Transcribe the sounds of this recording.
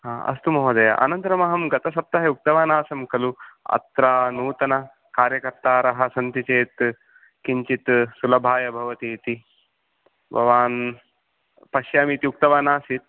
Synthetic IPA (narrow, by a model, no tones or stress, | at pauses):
ɦaːɐ̰st̪umɐɦoːd̪ɐja̰ʔɐ̰nɐnt̪ɾɐmɐɦɐmɡɐt̪ɐsɐp̚t̪ɐɦɐuk̚t̪ɐʋaːnaːsɐmkɐluɐ̰t̪ɾaːnuːt̪ɐnɐ | kaːɾjɐkɐɾt̪aːɾɐɦɐ̆sɐnt̪it͡ʃeːt̪ | kiɲt͡ʃit̪sulɐbʱaːjɐbʱɐʋɐt̪iːt̪i | bʱɐ̰ʋaːn | pɐʃjaːmiːt̪iuk̚t̪ɐʋaːnaːsit̪̚